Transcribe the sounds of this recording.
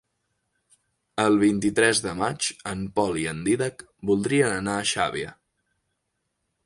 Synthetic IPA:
əlˠβ̞int̪it̪ɾɛzðəmad͡ʒəmpɔliənd̪iðək | bulˠd̪ɾiənənaːʃa̰βiə̰

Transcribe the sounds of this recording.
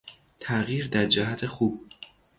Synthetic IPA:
t̪ʰæɣiːɾd̪æɾd͡ʒæɦæt̪ʰe̞xuːb̥̚

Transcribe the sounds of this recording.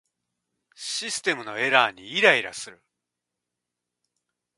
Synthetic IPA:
ɕisɨ̥t̪e̞mɯ̟no̞e̞ɾaːɲ̟iːɾaiɾa̰sɨɾɯ̟

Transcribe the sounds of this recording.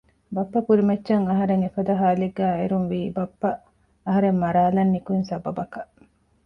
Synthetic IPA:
bɐpːɐpuɾimɐtːʃɐŋɐɦɐɾeŋefɐd̪ɐɦaːleɡːæːeɾunʋiːbɐpːɐ | ɐɦɐɾemːɐɾaːlɐnːikunsɐbɐbɐkɐ

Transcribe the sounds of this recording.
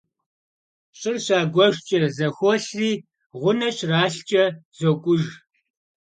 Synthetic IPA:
ɕʼɪrɕaːɡʷɔʒt͡ʃʼɐzɐxʷɔɬriː | ʁʷʊnɐɕraːɬt͡ʃʼɐz̥okʷʼʊʒ

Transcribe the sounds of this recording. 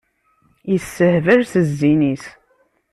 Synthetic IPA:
jəsːəhvəɾsəzːinis

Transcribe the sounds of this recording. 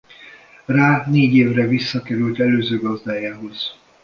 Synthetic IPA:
raːneːɟeːvrɛvisːɒkɛɾylt̪ɛløːzøːɡɒzd̪aːjaːɦo̞z̥

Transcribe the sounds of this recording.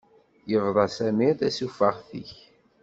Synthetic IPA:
jəvðˤɑsæmiɾθæsufəʁθḭç

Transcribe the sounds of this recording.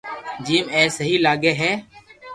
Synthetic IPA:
d͡ʒiːmɛːsəɦiːlaːɡeːɦɛː

